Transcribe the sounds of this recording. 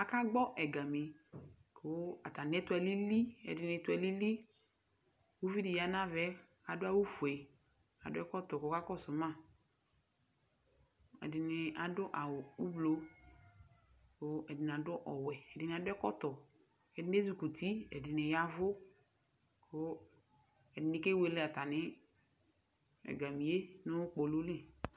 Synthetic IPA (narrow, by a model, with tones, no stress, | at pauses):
a˨ka˦ɡ͡bɔ˦ʔɛ˨ɡa˨mi˨kʰo˦a˨ta˨n˦ɛ˦tʊ˦ɛ˨li˦li˦ɛ̰˨dɪ˨nɪ˧˦tʊ˦ɛ˨li˦li˦ | wu˦vi˦dɪ˨ja˨na˦vɛ˦ | a˨dʊ˦a˦wu˦fu˨ɛ˨ | a̰˨dʊ˦ɛ˦kɔ˦tɔ˨ko˨˦ka˦kɔ˦˨sʊ˨ma˦˨ | ɛ̰˨dɪ˨nɪ˨a˨dʊ˦ʔa˨wʊ˨u˦blo˨ | kʊ˨˦ɛ˨dɪ˨n˨a˨dʊ˦ʔɔ˨wɛ˨ɛ˨dɪ˨nɪ˨a˨dʊ˦ɛ˦kɔ˦tɔ˨ | ɛ˨dɪ˦n˦e˦zu˨ku˨ti˦ɛ̰˨dɪ˨nɪ˨ja˦vʊ˦ | kʰʊ˦ | ɛ˨dɪ˨nɪ˨ke˦we˨lɪ˦a˨ta˨nɪ˦ | ɛ̰˨ɡa˨mi˨e˦nʊ˦k͡po˨lo˦li˦